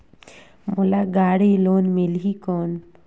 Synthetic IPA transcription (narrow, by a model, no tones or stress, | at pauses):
mulaɡaɽilonmilɦikɔn